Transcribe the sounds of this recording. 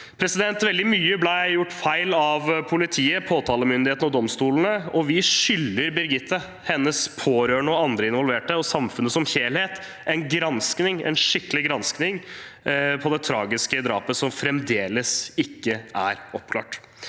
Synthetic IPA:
pʰɾɛsɪd̪ɛnt̪ʋɛld̪ɪmyːəblæɪjʊʈːfæɪlɑʋpʰʊlɪt̪ʰiːəpʰoːt̪ʰɑːləmʏnd̪ɪeːt̪nɔd̪ɔmst̪uːlənəɔʋɪʂʏlːəɾbɪɾɡɪt̪ːə | hɛnːəspʰoːɾøːɳəɔɑnd̪ɾəɪnʋɔlʋeːʈəɔsɑmfʉnːəsɔmçeːlheːt̪ | ʔɛnɡɾɑnsknɪŋɛ̰nʂɪkːəlɪɡɾɑnsknɪŋ | pʰɔd̪ɛt̪ʰɾɑːɡɪskəd̪ɾɑ̰ːpəsɔmfɾɛmd̪eːləsɪkːəʔæɾɔpkʰlɑ̰ːʈ

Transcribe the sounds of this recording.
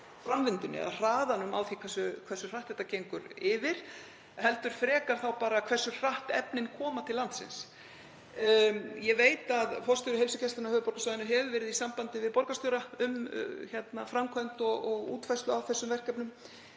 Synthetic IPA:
fɾamvɪnt̪ʏnɪ̰a̰ðr̥aːðanʏma̰wθikʰvɛsʏkʰvɛsʏr̥aht̪ːɛht̪ːacejŋkʏɾɪvɪɾ̥ | hɛlt̪ʏɾ̥fɾɛːkaɾ̥θawpaːɾakʰvɛr̥sʏr̥aht̪ɛ̰pnɪnkʰɔːmat̪ʰɪlːant̪sɪ̰ns | jɛveːjt̪aðfɔrst̪ʏɾʏɦejlsʏcʰɛst̪anahœːðʏpɔɾkasɔðɪnʏɦɛvʏvɛːɾɪðisampant̪ɪvɪðpɔɾkast̪œɾaʏmçjɛt̪nafɾamkʰœnt̪ɔɣɔɣṵːt̪fajst̪ʏawθɛsːʏmvɛr̥kɛpnʏm

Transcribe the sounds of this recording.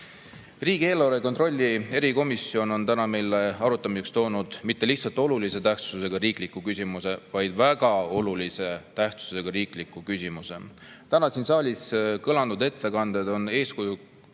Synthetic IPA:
riːɡie̞ːlːɑɾekot̪rolʲːie̞ɾiko̞misːio̞no̞nt̪ænɑme̞jle̞ɑɾut̪ːˑɑmise̞kst̪o̞ːnud̪̥mit̪ːe̞liht̪sɑlt̪ˑo̞lulise̞t̪æht̪suse̞ɡ̥ɑriːklikːˑukysʲimuse̞vɑjd̪̥væɡ̥ɑo̞lulise̞t̪æht̪su̥se̞ɡ̥ɑɾiːklikːˑukysʲimuse̞̰ | t̪ænɑsinsɑːlʲiskɤlɑnd̪ud̪e̞t̪ːe̞kɑnd̪̥e̞d̪̥o̞ne̞ːskuju

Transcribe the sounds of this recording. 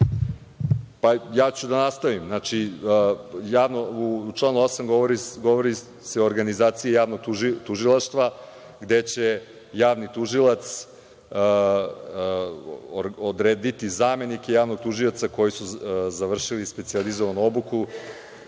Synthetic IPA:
pajaːt͡ɕud̪anast̪aʋimnaːt͡ʃi | jaːʋnout͡ʃlˠaːnuo̞samɡooɾiɡoʋoɾi | seoɾɡanizaːt̪sijejaːʋnoɡ̪ut̪uʒilˠaʃt̪ʋa | ɡd̪e̞t͡ɕe̞ | jaːʋnit̪uʒilˠat̪s | ɾod̪ɾeːd̪it̪izaːme̞nike̞jaːʋnoɡ̚t̪uʒiot̪sako̞jisuzaʋr̩ʃilispe̞t̪sializoʋanuo̞buku

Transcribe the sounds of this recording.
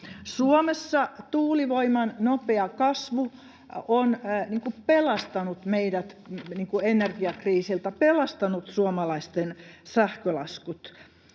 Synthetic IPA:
suomesːɑt̪uːliʋoimɑnnopeɑkɑsʋu | onniːŋkupelɑst̪ɑnut̪meidæt̪niːŋkuenerɡiɑkriːsilt̪æpelɑst̪ɑnut̪suomɑlɑist̪ensæhkølɑ̰skut̪

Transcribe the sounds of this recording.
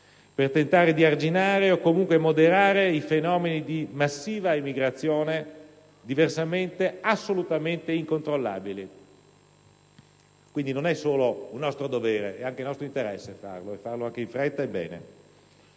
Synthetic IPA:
pert̪ent̪aːɾed̪iard͡ʒinaːɾeokːomuŋkwemod̪eɾaːɾeifenɔːmenid̪imasːiːvaimiɡɾat̪sːjoːne | d̪iversament̪easːolut̪ament̪eiŋkont̪ɾolːa̰ːbili | kwind̪inonɛsoːlounːɔst̪ɾod̪ovɛːɾḛʔɛaŋk̟elnɔst̪ɾoint̪eɾɛsːefa̰rloefːarloaŋk̟eiɱfɾɛt̪ːaebːɛ̰ːnḛ

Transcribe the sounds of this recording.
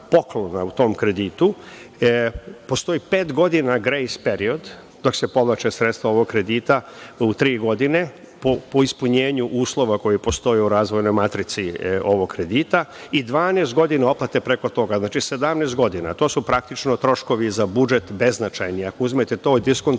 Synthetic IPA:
po̞klonaut̪o̞ːmkɾe̞d̪iːt̪u | po̞st̪o̞iːpeːt̪ɡo̞d̪inaɡɾejspe̞ɾio̞d̪ | d̪o̞kse̞po̞ʋlˠat͡ʃesɾet̪st̪ʋao̞ʋoɡkɾe̞d̪iːt̪aut̪ɾiːɡo̞d̪ine̞ | popoispuɲeːɲuʔuːslˠo̞ʋako̞jipo̞st̪o̞jeuɾaːzʋo̞jno̞jmat̪ɾit̪sio̞ʋoɡkɾe̞d̪iːt̪aid̪ʋaːnest̪ɡo̞d̪inao̞plˠat̪epɾeko̞t̪o̞ɡaznaːt͡ʃise̞d̪amnest̪ɡo̞d̪ina̰t̪o̞ːsupɾakt̪it͡ʃno̞t̪ɾo̞ʃko̞ʋizabud͡ʒe̞t̪be̞znat͡ʃajniakouzmet̪et̪oːjd̪iskon

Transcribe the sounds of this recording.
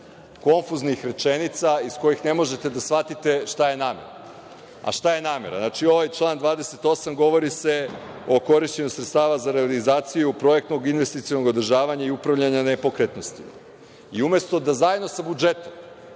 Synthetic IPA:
ko̞ɱfuznixɾe̞t͡ʃe̞nit̪saisko̞jixne̞mo̞ʒe̞t̪e̞d̪asʋat̪it̪e̞ʃt̪aje̞naːme̞̰ɾa̰ | a̰ʃt̪aje̞naːme̞̰ɾa̰znat͡ʃio̞ʋajt͡ʃlˠaːnd̪ʋaːd̪e̞se̞t̪o̞samɡo̞ʋo̞ɾise̞ | o̞ko̞ɾiʃt͡ɕe̞ɲusɾet̪st̪aːʋazaɾealizaːt̪sijupɾo̞ek̚t̪no̞ɡinʋe̞st̪it̪siono̞ɡo̞d̪r̩ʒaːʋaɲaiupɾaʋʎaɲanepo̞kɾet̪no̞st̪ḭ | iume̞st̪o̞d̪azajed̪no̞sabud͡ʒe̞t̪om

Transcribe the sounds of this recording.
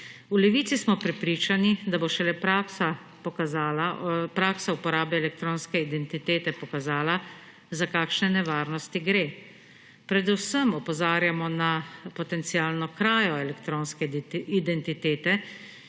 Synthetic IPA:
ulɛʋiːt̪sismɔpɾɛpɾiːt͡ʃanid̪aboʃɛlɛpɾaksa | pɔkaaːlapɾaːksaupɔɾaːbɛːlɛk̚t̪ɾoːnskɛid̪ɛnt̪it̪eːt̪ɛpɔkazaːla | zakaːkʃnɛnɛʋaːɾnɔst̪iɡɾeː | pɾɛd̪usəmɔpɔzaːɾjamɔnapɔt̪ɛnt̪siaːlnɔkɾaːjɔɛlɛkt̪ɾoːnskɛid̪ɛnt̪it̪eːt̪ɛ

